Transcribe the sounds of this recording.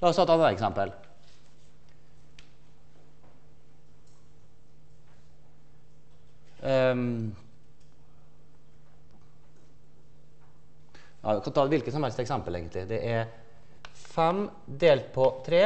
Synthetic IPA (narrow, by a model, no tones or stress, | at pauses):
lɑːɔsʰɑt̪ːɑːæːɾɛksɛmpəl | jɑ̰kɑnt̪ʰɑːd̪ɛʋɪlkəsɔmhɛlst̪ɛksɛmpəleːɡənt̪lɪd̪ɛʔæ | fɛm | d̪eːlt̪̚pʰɔt̪ʰɾeː